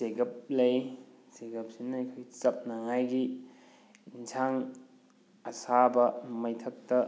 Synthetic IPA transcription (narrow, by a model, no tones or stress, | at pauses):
seɡɐp̚lɐjseɡɐp̚sinɐɐjkʰojt͡ʃɐp̚naŋajɡi | insʰaŋ | ɐsabɐmɐjtʰɐk̚tɐ